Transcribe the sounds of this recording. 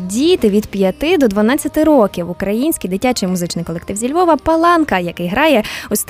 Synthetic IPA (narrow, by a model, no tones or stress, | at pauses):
dʲit̪ɪʋʲid̪pʲjɐt̪ɪd̪ɔd̪ʋɐnɑt͡sʲːɐt̪ɪɾɔkʲiwʊkɾɐjinʲsʲkʲijd̪ɪtʲat͡ʃɪjmʊzɪt͡ʃnɪjkɔlˠek̚t̪ɪwzʲilʲʋɔʋɐpɐlˠɑnkɐjɐkɪjɦɾɑjɛʊsʲt̪